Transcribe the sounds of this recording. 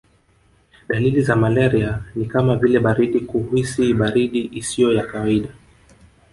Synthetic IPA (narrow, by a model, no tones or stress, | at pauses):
ɗalilizamalɛɾianikamavilɛɓaɾiɗikuhusiɓaɾiɗiʔisijɔjakawaiɗa